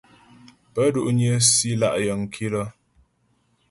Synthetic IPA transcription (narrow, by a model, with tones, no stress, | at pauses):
pə˦du˦ʔɲə˦si˦la̰˦ʔjə˨ŋ˨kʰi˦lə˦